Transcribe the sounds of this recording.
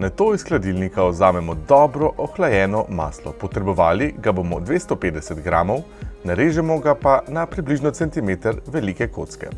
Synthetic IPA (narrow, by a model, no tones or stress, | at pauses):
nat̪oːisklad̪ilnikaɔzaːmɛmɔd̪ɔbɾɔʔɔxlajɛːnɔma̰ːslɔ̰pɔt̪ɾɛbɔʋaːliɡabomɔd̪ʋeːst̪opeːd̪ɛsɛt̪ɡɾaːmɔw | naɾeːʒɛmɔɡapanapɾibliʒnɔt̪sɛnt̪imeːt̪əɾʋɛlikɛko̰ːt̪skɛ̰